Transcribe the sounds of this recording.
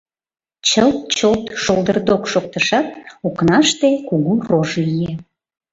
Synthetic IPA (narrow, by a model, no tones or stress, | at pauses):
t͡ɕəlt̪̚t͡ɕot̪ʃolˠd̪ərd̪okʃok̚t̪əʃɑt̪oknɑʃt̪ekuɣuroʒlije